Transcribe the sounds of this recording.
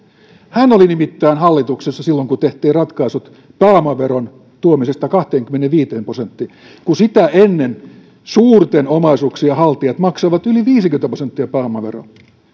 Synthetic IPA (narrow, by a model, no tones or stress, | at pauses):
hænolinimit̪ːæːnhɑlːit̪uksesːɑsilːoŋkut̪eht̪iːrrɑt̪kɑisut̪ | pɑːmɑʋeɾon | t̪uomisest̪ɑkɑht̪eːŋkymːeneʋʋiːt̪eːmprosent̪ːi | kusit̪æʔenːen | suːrt̪enomɑisuksiɑhɑlt̪iɑt̪mɑksɑʋɑt̪yliʋiːsiŋkyment̪æprosent̪ːiæpɑːmɑʋḛro̰